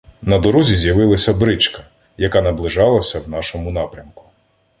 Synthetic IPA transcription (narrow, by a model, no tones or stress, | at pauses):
nɐd̪ɔɾuzʲizʲjɐʋɪlˠɐsʲɐbɾɪt͡ʃkɐ̥ | jɐkɑnɐblˠɪʒɑlˠɐsʲɐwnɑʃɔmʊnɑpɾʲɐmkʊ̥